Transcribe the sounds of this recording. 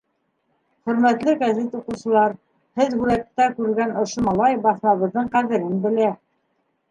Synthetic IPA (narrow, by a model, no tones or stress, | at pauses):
χɵ̆ɾmæt̪lɘɡazit̪uqɤ̆wsɤ̆lˠɑɾ | hɘðhʉɾæt̪ːækʉɾɘ̆lɡænŏʃomɑlˠɑjbɑθnɑβɤ̆ðːɤɴqæðɘ̆ɾɘnbɘ̆læ